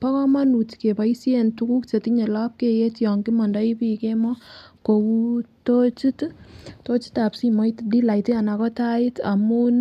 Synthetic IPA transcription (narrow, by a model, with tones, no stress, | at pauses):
pɔ˦kɔ˦ma˦nu˨tke˨pa˨i˦sie˦ntuku˦kt͡ʃe˨tiɲe˨la˦p̚ke˦je˦tjɔ˨ŋkɪ˦mɔ˨nda˦i˦pi˨ke˦mɔ˦ko˨ku˦to˦t͡ʃi˦tto˦t͡ʃi̥˦ta˨psi˦mo˦jtdi˦la˨iti˦a˨na˨kɔ˦ta˦ɪ˦ta̰˨mu˦n